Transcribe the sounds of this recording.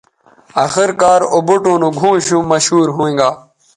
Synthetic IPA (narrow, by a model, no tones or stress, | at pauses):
axɪɾkaːɾobuʈõːnũːɡʱũːɕũmɐɕhuːɾɦũːẽːŋɡaː